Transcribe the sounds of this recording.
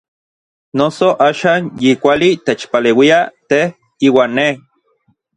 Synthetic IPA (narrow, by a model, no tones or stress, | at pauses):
nosoʔaːʃaːnjikʷalit̪et͡ʃpaleːwiat̪eh | iːwaːnːe